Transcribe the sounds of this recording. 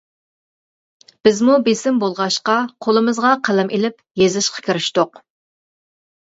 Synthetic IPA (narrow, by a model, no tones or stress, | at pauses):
b̥ɪzmubesɪmbolˠʁɑʃqɑqʰolˠɨmɨzʁɑqʰælɛmʔelɪp | jezɪʃqʰɑ̥kʲʰiɾɪʃt̪oq